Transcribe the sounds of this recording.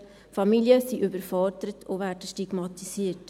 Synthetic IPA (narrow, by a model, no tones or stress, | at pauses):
fɑmiljəsiʔybəɾfɔɾdəɾətʰʊvæːdəʃtiɡmɑtisiːt